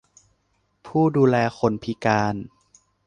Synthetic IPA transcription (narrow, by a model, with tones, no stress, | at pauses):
pʰuː˥˩duː˧lɛː˧xʰo˧npʰi˦kaː˧n